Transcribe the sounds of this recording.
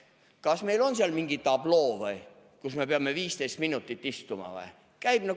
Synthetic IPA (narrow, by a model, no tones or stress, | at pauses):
kɑsmeilo̞nseɑlmiŋɡit̪ɑbloːvɤj | kusmepeɑmːeviːst̪ejst̪minut̪ːˑit̪ːist̪umɑ̰vɑ̰j | kæjb̥ne